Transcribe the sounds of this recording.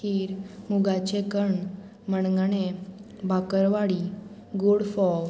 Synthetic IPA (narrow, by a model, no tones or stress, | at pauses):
tiːɾmuɡat͡ɕekəɳ | məɳŋɡne | bʱakəɾʋaɽi | ɡoɽfɔ